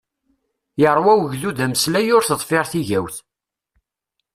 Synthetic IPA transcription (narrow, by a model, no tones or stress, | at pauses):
jəɾˤwæwəʝðuðæməslæjʊɾθəðˤfɪɾθiʝæwθ